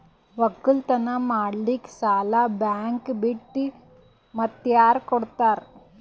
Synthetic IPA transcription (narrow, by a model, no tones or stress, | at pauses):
ʋɐkːult̪ɐnamaɽliːksaːlabaŋkbiʈːi | mɐt̪jaɾkɔɽt̪aɾ